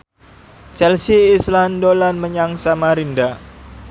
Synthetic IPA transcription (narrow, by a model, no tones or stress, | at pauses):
t͡ʃɛlsiːslandolanməɲaŋsamaɾinda